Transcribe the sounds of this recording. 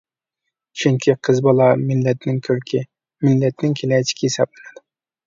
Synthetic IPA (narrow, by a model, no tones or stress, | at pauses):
t͡ʃʰyŋkʲʰiqʰəzbɑlˠɑmɪlːɛt̪nɪŋkʲʰøɾkʲʰɪ | mɪlːɛt̪nɪŋkʲʰelɛjt͡ʃʰi̥kʲijisɑblɪnɨd̪ɪ